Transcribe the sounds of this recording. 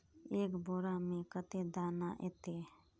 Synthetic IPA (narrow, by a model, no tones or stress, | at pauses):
eːkboːɾaːmẽkət̪eːd̪aːnaːʔeːt̪eː